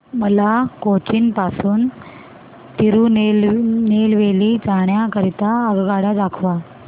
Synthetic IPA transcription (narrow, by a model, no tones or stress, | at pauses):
məlakot͡ɕiːnpasuːn | t̪iɾunelnelʋelid͡zaɳjakəɾit̪aəɡɡaɽad̪akʰʋa